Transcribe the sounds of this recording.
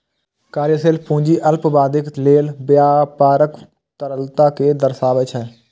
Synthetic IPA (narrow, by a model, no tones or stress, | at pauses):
kaːɾjəseːlpũːɲd͡ʒiːʔəlpbaːd̪ɪk̪leːlbjaːpaːɾək | t̪əɾəlt̪aːkeːd̪əɾsaːʋɪt͡ʃɦɛː